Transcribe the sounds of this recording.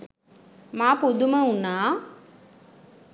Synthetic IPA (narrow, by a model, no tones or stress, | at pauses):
maːpud̪uməunaː